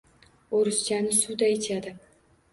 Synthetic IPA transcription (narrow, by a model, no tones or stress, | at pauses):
oɾʊsjanɪsud̪aet͡ʃ̪ʰad̪ɪ